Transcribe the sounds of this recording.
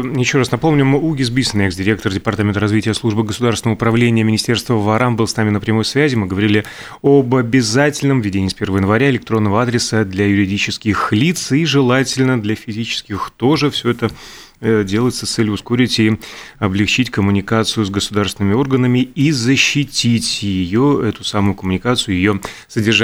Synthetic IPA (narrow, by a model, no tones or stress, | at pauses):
jɪɕːo̞ɾasnɐpo̞mnʲʊmɨuɡʲɪzbʲisʲənɨɛksdʲɪɾʲe̞k̚t̪ərdʲɪpɐrt̪amʲɪnt̪əɾɐzvʲitʲɪjəslˠuʐbɨɡəsʊd̪aɾsʲɪnəvəʊpɾɐvlʲenʲɪjəmʲɪnʲɪsʲtʲe̞rst̪vəvɐɾambɨlˠsnamʲɪnəpɾʲɪmo̞jsvʲæzʲɪmɨɡəvɐɾʲilʲɪ | obɐbʲɪzatʲɪlʲnəmvʲɪdʲenʲiːspʲe̞rvəvəjɪnvɐɾʲaɪlʲɪkt̪ɾo̞nːəvəad̪ɾʲɪsəd̪lʲɐjʊɾʲɪdʲit͡ɕɪskʲɪxlʲit̪siʐɨlˠatʲɪlʲnəd̪lʲɐfʲɪzʲit͡ɕɪ̥skʲɪxt̪oʐɨfsʲɵɛt̪ə | dʲe̞lˠəɪt̪səst̪sɛlʲjʊsko̞ɾʲɪtʲiɐblʲɪxt͡ɕitʲkəmʊnʲɪkat̪sɨjʊzɡəsʊd̪aɾrsvʲɪnəmʲɪo̞rɡənəmʲɪizəɕːɪtʲitʲjɪjoɛt̪ʊsamʊjʊkəmʊnʲɪkat̪sɨjʊjɪjosədʲɪrʐa